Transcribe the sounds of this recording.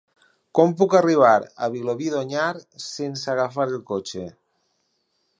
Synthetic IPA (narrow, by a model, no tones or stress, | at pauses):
kompukariβ̞aɾa̰βiloβiðoɲaɾsensaɣafaɾelˠkot͡ʃe